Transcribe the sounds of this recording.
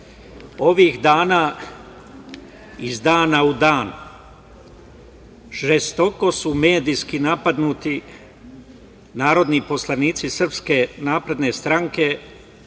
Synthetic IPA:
o̞ʋixd̪aːnaː | izd̪aːnaud̪aːn | ʒest̪o̞ko̞sume̞ːd̪iːskinapad̪nuːt̪i | naːɾo̞d̪nipo̞slˠaniːt̪sisr̩pske̞naːpɾe̞d̪ne̞st̪ɾaŋke̞

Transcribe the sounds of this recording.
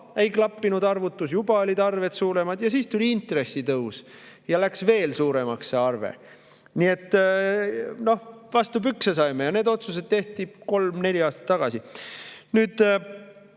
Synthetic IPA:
e̞jklɑpːinud̪ɑrvut̪ːˑusjubɑo̞lʲid̪̥ɑrve̞t̪suːɾe̞mɑd̪̥jɑsiːst̪ulʲiint̪re̞sːit̪ɤws | jɑlæksve̞ːlsuːɾe̞mɑksːeɑrvḛ | nie̞t̪ː | no̞hvɑst̪ubyksesɑjmejɑneːd̪o̞t̪sus̬e̞d̪̚t̪e̞ht̪iko̞lmne̞lʲiɑːst̪ɑ̥t̪ːɑɡ̥ɑsinyːd̪̥

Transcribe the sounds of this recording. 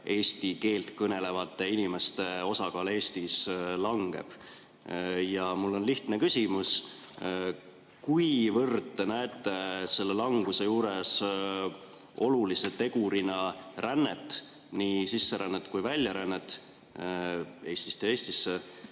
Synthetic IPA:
ʔe̞ːst̪ike̞ːlt̪kɤne̞le̞vɑt̪ˑːe̞inime̞st̪e̞o̞sɑkɑːle̞ːst̪islɑŋɡ̥e̞̰b̥ | jɑmulːo̞nliht̪nekysʲimus | kujvɤrt̪ːenæet̪ːˑe̞se̞lːelɑŋɡ̥use̞juːɾes | o̞̰lulise̞t̪e̞ɡuɾinɑrænːet̪ːˑ | niːsisːe̞ɾænːet̪ːˑkujvælʲjɑɾænːet̪ːˑ | e̞ːst̪i̥st̪ee̞ːst̪isːe

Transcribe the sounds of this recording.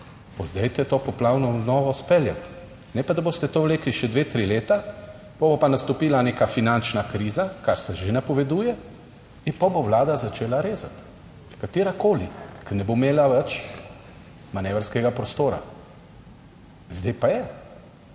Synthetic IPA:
pɔzd̪ɛjt̪ɛt̪oːpɔplawnɔnɔːʋɔspɛlja̰t̪ | nɛpad̪aboːst̪ɛt̪oːʋleːkliʃɛd̪ʋeːt̪ɾileːt̪a | pobopanast̪ɔpiːlaneːkafinant͡ʃnakɾiːzakaɾsɛʒenapɔʋɛd̪uːjɛ | inpɔboʋlaːd̪azat͡ʃeːlaɾeːzat̪ | kat̪iːɾakoːlḭkɛnɛbomeːlaʋɛt͡ʃ | manɛːʋəɾskɛɡapɾɔst̪oːɾa̰ | zd̪ɛjpajɛ

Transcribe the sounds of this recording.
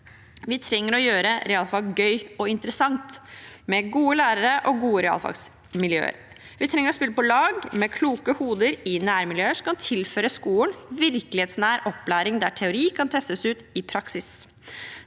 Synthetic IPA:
ʋɪt̪ʰɾɛŋːəɾɔjøːɾəɾɛɑːlfɑɡɡœʏɔɪnt̪əɾəsɑŋt̪mɛɡuːəlæːɾəɾəʔɔɡuːəɾɛɑ̰lfɑ̰ɡs | mɪljø̰ːə̰ɾ | ʋɪt̪ʰɾɛŋəɾɔspɪlːəpɔlɑːɡmɛkʰluːkəhuːd̪əɾɪnæːɾmɪljøːəʂɔkɑnt̪ʰɪlføːɾəskuːlənʋɪɾklɪheːt̪snæːɾʔɔpːlæːɾɪŋd̪æʈʰɛʊɾiːkʰɑnt̪ʰɛst̪əsʉːt̪ɪpʰɾɑksɪs

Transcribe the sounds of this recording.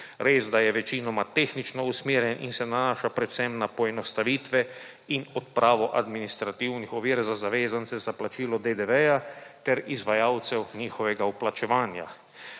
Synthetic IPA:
ɾeːzd̪ajɛʋɛt͡ʃiːnɔmat̪eːxnit͡ʃnɔusmiːɾjɛnʔḭnsɛnanaːʃapɾɛt̪sɛmnapɔɛnɔst̪aʋiːt̪ʋɛ | inɔt̪̚pɾʔaːʋɔʔad̪minist̪ɾat̪iwnixɔʋiːɾzazaʋeːzant̪sɛzaplat͡ʃiːlɔd̪ed̪ɛʋɛjat̪ɛɾizʋajaːwt̪sɛwniːxɔʋɛɡauplat͡ʃɛʋaːnja̰

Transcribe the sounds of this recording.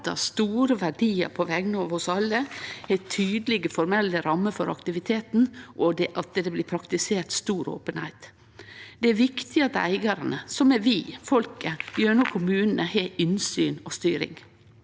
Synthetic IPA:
t̪ɑ̰st̪uːɾəʋæɖiːə̰ɾpʰɔʋɛɡnəɔʋɔsɑlːəæt̪ʰyːd̪əlɪɡəfɔɾmɛlːəɾɑmːəfɔɾɑ̰kt̪ɪʋɪt̪ʰeːt̪nʔɔd̪ɛʔɑt̪d̪ɛblɪpʰɾɑkt̪ɪseːʈ̪st̪uːɾo̰ːpənhæɪt̪ | d̪̥ɛæɾʋɪkt̪ɪɑt̪æ̰ɪɡɑɾɑnəsɔmɛʋɪːfɔlkəjøːɳuːkʰʊmʉːnənəheːʏnsyːnɔst̪yːɾɪ̰ŋ

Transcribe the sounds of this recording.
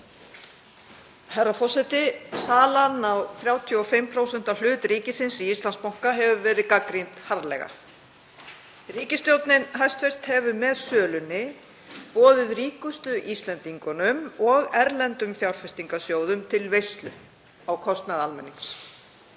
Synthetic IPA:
haɾafɔr̥sɛjt̪ɪsaːlanawθɾjaːwt̪ʰjʏɔfɪmpʰɾoːwsɛn̥t̪al̥ʏːt̪ɾiːcɪsɪnsiist̪lanspawŋ̥kaɦɛvʏvɛːɾɪkakɾint̪haɾðlɛ̰ɣa̰ | riːcɪst̪jowt̪nɪnɦajst̪fejst̪hɛvʏmɛðsœːlʏnɪ | pɔːðɪðriːkʏst̪ʏʔist̪lɛnt̪iŋkʏnʏmɔɣɛɾlɛnt̪ʏmfjawɾ̥fɛst̪iŋkasjoːwðʏmt̪ʰɪlvejst̪lʏ̰ | awkʰɔst̪naðalmɛ̰nːiŋs

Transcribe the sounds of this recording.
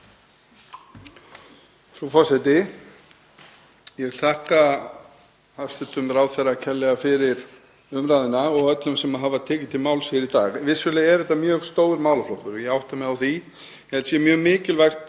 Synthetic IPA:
sɔfɔsɛt̪ɪ | jɛɣθahka | asɪt̪ʏmɾawθɛracʰɛlːɛɣafɪɾɪɾ | ʏmɾaːðɪnaɔɣœt̪lʏmsɛmaɦaːvat̪ʰɛːcɪ̥t̪ʰɪlmaːwlsɛɛɾit̪aːɣvɪsvʏlɛɛɾðɛht̪ːamjœːɣst̪oːwðɾmaːwlaflowhkʏɾjɛɣawht̪amɛðawθi | jɛhɛlt̪sjɛmjœːɣmɪːcɪlvajxt̪

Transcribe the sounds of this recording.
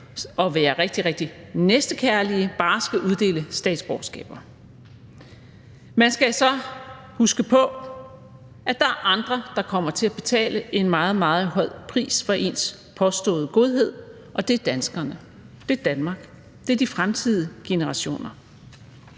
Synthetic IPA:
ʔɒ̽ʋæːɐʁeɡ̥̚d̥iʁeɡ̥̚d̥inesd̥əkʰæɐliəb̥ɑ̈ːsɡ̥æʔuð̞ˠd̥e̝̰ːləsd̥ɛ̰ːd̥sb̥ɒsɡ̥ɛ̰ːb̥ɐ | mænsɡ̥æsɒ̽ | husɡ̥əpʰɒ̽ | ʔæd̥ɑ̈æɐʔɑ̈nd̥ʁɐd̥ɑ̈kʰɒ̽m̰ɐt͡sʰe̝æb̥e̝t͡sʰɛ̰ːləʔe̝nmɑ̈ːð̩ˠmɑ̈ːð̞̩ˠɦɒ̽ð̰ˠpʰʁḭːsfɒʔe̝ns | pʰɒ̽sd̥ɔ̰̽ːðˠəɡ̥o̝ð̞ˠɦe̝ð̞̰ˠ | ʔɒ̽d̥e̝æɐd̥ænsɡ̥ɐnə | d̥e̝ɐd̥ænmɑ̈ːɡ̥ | d̥e̝ɐd̥ifʁamt͡sʰið̞̰ˠəɡ̥e̝nəʁɑ̈ɕo̝̰ːnɐ

